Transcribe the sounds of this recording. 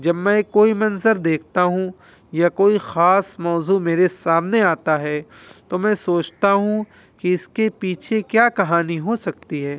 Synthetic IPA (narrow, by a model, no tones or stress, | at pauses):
d͡ʒɐbmɛ̃koːimɐnzəɾd̪eːkʰt̪aɦũ | jakoːixaːsmɔːzumeːɾesaːmneaːt̪aɦɛː | t̪omɛ̃ːsoːt͡ʃt̪aɦũ | kiɪskepiːt͡ʃʰekjaːkɐɦaːniɦosɐk̚t̪iɦɛː